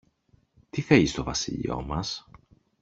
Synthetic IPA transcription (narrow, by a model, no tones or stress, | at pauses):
t̪iθɐist̪o̞vɐsḭʎḭo̞̰mɐs